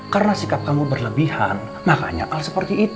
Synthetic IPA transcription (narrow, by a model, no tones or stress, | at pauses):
kaɾənasikap̚kamubərləbihan | maka̰ɲa̰ʔalsəpərt̪iːt̪